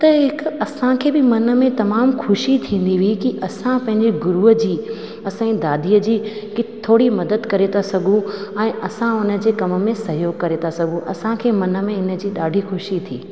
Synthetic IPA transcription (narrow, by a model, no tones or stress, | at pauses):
t̪ɐɦɪkɐsãkʰeːbɪmɐnə̆mẽt̪ɐmaːmxʰʊʃit̪ʰĩːn̆d̪iʋikiʔɐsãpɐ̃ɦɪ̃ɲd͡ʑeɡʊɾuəd͡ʑiː | ɐsãĩd̪aːd̪iəd͡ʑiːkɪt̪ʰːoːɽimɐd̪əd̪kɐɾet̪ʰasɐɡʱũɛ̃ːʔɐsãʊnə̆d͡ʑeːkɐməmẽsɐɦjoːɡ̚kɐɾet̪ʰasɐɡʱũʔɐsãkʰeːmɐnə̆mẽɪnə̆d͡ʑiːɗaːɖʱixʊʃit̪ʰiː